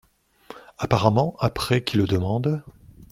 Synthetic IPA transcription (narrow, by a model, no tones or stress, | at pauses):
apaʁamɑ̃ʔapχɛkʰʲiləd̪əmɑ̃d̪